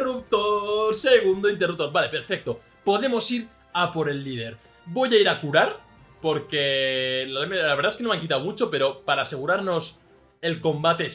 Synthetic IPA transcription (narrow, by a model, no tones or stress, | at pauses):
rup̚t̪oɾseɣund̪oint̪erup̚t̪o̞ɾbale̞pe̞ɾfe̞k̚t̪o̞ | po̞ðe̞mo̞siɾ | apo̞ɾe̞lːið̞e̞ɾ | bo̞jaiɾakuɾaɾ | po̞ɾke̞lamelaβe̞ɾðaeskenomaŋkit̪awmut͡ʃo̞pe̞ɾo̞paɾaːse̞ɣ̞uɾaɾno̞s | e̞lko̞mbat̪e̞